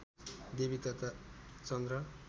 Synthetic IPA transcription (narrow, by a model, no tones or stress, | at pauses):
d̪ebit̪ʌt̪at͡sʌnd̪ɾʌ